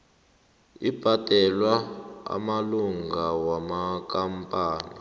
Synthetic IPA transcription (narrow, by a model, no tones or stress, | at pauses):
ib̥ʱad̥ʼʱɛlwaa̰maluŋɡʱawamak̬ʼampʼaːna